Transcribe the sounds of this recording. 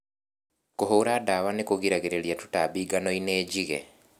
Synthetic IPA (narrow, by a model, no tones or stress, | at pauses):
koɦowɾadawanekoɣiɾaɣeɾeɾjatutabiɡanɔineːɟiɣɛ̰